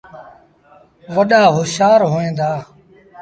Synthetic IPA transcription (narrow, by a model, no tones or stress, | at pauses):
ʋəɗaːɦoːʃaːɾɦoːẽːnd̪aː